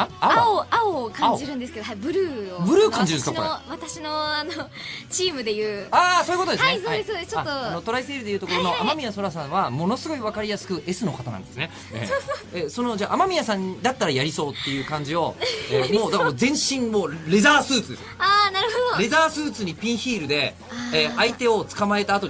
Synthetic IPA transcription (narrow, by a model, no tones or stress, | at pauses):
aaooaokãɲod͡ʑiɾɯ̟̃nd̪esɨ̥ked̪obɯ̟ɾɯ̟ːobɯ̟ɾɯːkãɲd͡ʑiɾɯ̃nskaooβat̪aɕinoanot͡ɕiːmɯ̟d̪e̞jɯ̟ːaːsoːiɯkotod̪eɨneisohaiesoːd̪est͡ɕoat̪ːoano̞t̪o̞ɾaise̞ːɾɯ̟d̪e̞jɯ̟ːt̪okoɾo̞no̞ʔamamʲijaso̞ɾasãɰ̃βamo̞no̞sɨɡo̞iβakaɾʲijasɨ̥kɯ̟ʔe̞sɨno̞kat̪anã̰nd̪e̞sɨne | ḛeso̞no̞d͡ʑaːʔamamʲijasãɲ̟d̪at̪ːaɾajaɾʲiso̞ːt̪ːe̞jɯ̟ːkãɲ̟d͡ʑio̞emoːd̪akaozẽ̞ɰ̃ɕĩɴmoːɾe̞zaːsɨːt͡sɨd̪e̞sɨaːnaɾɯ̟od̪oɾe̞zaːsɨːt͡sɨɲ̟ipʲĩɰ̃çiːɾɯ̟d̪e̞ | eait̪e̞o̞t͡sɨ̥kamae̞t̪aːt̪o̞